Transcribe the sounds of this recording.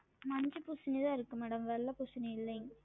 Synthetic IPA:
mɐɲd͡ʒɯpusɪniðãːɪɾɯkːɯmɐɽɐmʋɛɭːɐpʊsɪniɪlːɐŋɡ

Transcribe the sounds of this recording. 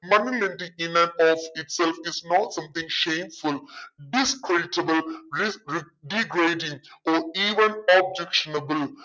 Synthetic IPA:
mʌ̃njulẽnʈĩɪ̃næ̃nɔfɪʈsɛlfɪznɔːʈsʌ̃mt̪ɪ̃ŋʃẽːmfʊlɖɪskɾeɖɪʈəbəlɾi | ɖiɡɾeːɖɪ̃ŋɔːiːʋə̃nɔb̚d͡ʒɛkʃənəbəl

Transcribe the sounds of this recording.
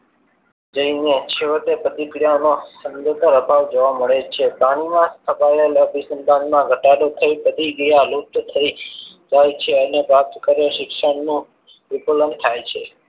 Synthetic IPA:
d͡ʒəinet͡ʃʰeʋət̪epət̪ikɽijanosənd̪ət̪əɾəbʱaʋd͡ʒoʋaməɭet͡ʃʰepaɽ̃imãst̪ʰəpaeləbʱisənd̪ʱãnmãɡʱəʈaɽot̪ʰəipət̪iɡɾijalup̚t̪t̪ʰəid͡ʒajt͡ʃʰeənepɾap̚t̪əkəɾoʃɪkʃəɳnũ | ʋipolənt̪ʰajt͡ʃʰe

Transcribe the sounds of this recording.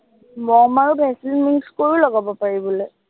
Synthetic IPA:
mɔmaɹubʱɛsilmikskoɹilɔɡabɔpaɹibɔloj

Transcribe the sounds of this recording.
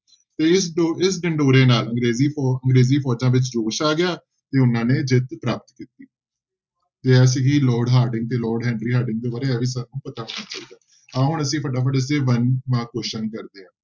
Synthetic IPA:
t̪eːɪsɪsɖɪɳɖoːɾeːnaːlə̃ŋɡɾeːziːɔəŋɡɾeːziːpʰɔːd͡ʒãːʋɪt͡ʃɾoːʃaːɡɪjaː | t̪eːʊnãːneːd͡ʒɪt̪pɾaːp̚ət̪kiːt̪iː | t̪eːɛːs̬iɡiːlɔːɾɖɦaːɾɖɪ̃ŋɡ̚t̪eːlɔːɾɖɦɛ̃ːɳɖɾiːɦaːɾɖɪ̃ŋɡ̚d̪eːbaːɾeːɛːʋiːs̬aːnũːpət̪aːɦoːnaːt͡ʃaːiːd̪aː | aːɦʊɳəsĩːpəɖaːpəɖəs̬eːʋənmãːkoːʃənkəɾd̪eːãː

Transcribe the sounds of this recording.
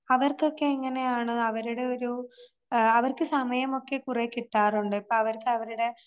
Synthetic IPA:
ɐʋɐrko̞kːe̞iŋːɐne̞jaːɳɨɐʋɐɾuɽe̞o̞ɾu | ɐʋɐrkɨsɐmɐjɐmo̞kːe̞kurekːiʈːaːruɳɖɨipːoːɭɐʋɐrkɨɐʋɐɾuɽe̞

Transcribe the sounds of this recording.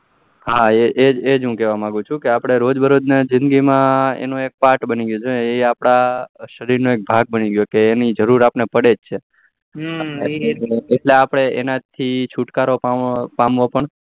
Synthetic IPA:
ɦaeʔeed͡ʒɦũkɛʋamãɡũt͡ʃʰũkeapɽ̃eɾod͡ʒbʱəɾod̪ned͡ʒɪ̃nd̪ɡimãḛnõek̚paʈbəniɡjũd͡ʒoeapɽ̃aʃəɾiɾnoek̚bʱaɡ̚bəniɡjokeːnid͡ʒəɾuɾapnepəɽed͡ʒt͡ʃʰe | eʈleapɽ̃eʔenat̪ʰit͡ʃʰuʈkaɾopapamʋopəɳ

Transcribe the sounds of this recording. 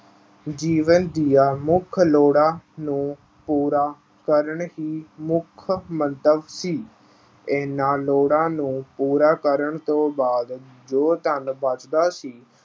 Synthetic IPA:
d͡ʒiːʋənd̪ijaːmʊkʰloːɽaːnũː | puːɾaː | kəɾəɳɦiːmʊkʰmənt̪əbsiː | ɛːnãːloːɽãːnũːpuːɾaːkəɾəɳt̪õːbaːd̪d͡ʒoːt̪ənbət͡ʃd̪aːsiː

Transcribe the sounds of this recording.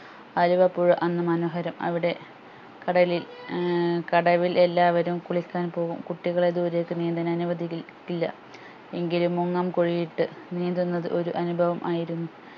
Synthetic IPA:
ɐluʋɐpːuɻɨʔɐnːɨmɐnoːɦɐɾɐmɐ̰ʋiɽe̞ | kɐɽɐlil | kɐɽɐʋile̞lːaːʋɐɾumkuɭikʲːaːnpo̞ːɣumkuʈːiɣɐɭe̞d̪uːɾekːɨniːnd̪ɐnɐnuʋɐd̪ʱikʲːilːɐ̰ | e̞ŋɡilumːuŋːɐːmkoɻijiʈːɨniːnd̪unːɐðɨʔo̞ɾuʔɐnubʱɐʋɐmʔaːjiɾunːu

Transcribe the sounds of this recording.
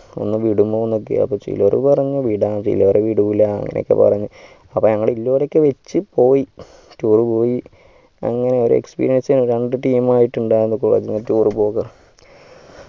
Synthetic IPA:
o̞̰nːɨʋiɽumboːunːok̬ːḛɐ̰pːoːt͡ɕḭlorṵpɐrɐɲːuʋiɽaːt͡ɕḭlːoːɾeʋiɽuʋilɐɐ̰ŋːɐ̰nḛo̰kːḛpɐ̰rɐɲːu | ɐpːoːɲɐŋːɐɭeilːoːɾekːɨʋet͡ɕːɨpo̞ːji | tuːrɨpo̞ːji | ɐ̰ŋːɐne̞o̞ɾṵḛkspḭːɾijɐnsɐnoɾeɳɖɨʈiːmaːjiʈːuɳɖaːjɾunːɐɨkoːɭḛːd͡ʑiɲːɐtuːrɨpo̞ːɣɐr

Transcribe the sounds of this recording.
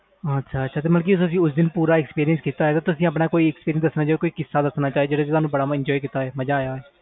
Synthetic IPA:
ətːʃʰaːəʃʰaːt̪eːməlk̬iːsəs̬ĩːʊsd̪ɪnpuːɾaːɪkspiːɾijənskiːt̪aːɦɛːt̪aːt̪ʊsĩːəp̬naːkoːiːɛkspiːɾɪənsd̪əsnaːt͡ʃaːekoːiːkɪsːaːd̪əsnaːt͡ʃaːieːd͡ʒeːɽaːt̪et̪ʊɦaːnũːbəɽaːɪɲd͡ʒɔːikit̪aːɦɛːməd͡ʒaːjaːɛː

